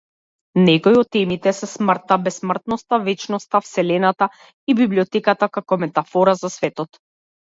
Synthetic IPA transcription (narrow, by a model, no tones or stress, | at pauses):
nɛkɔjɔt̪ːɛmit̪ɛsɛsmr̩t̪ːabɛsmr̩t̪̚nɔst̪avɛt͡ʃnɔst̪afsɛlɛnat̪a | ibibliɔt̪ɛkat̪akakɔmɛt̪afɔɾazasvɛt̪ɔt̪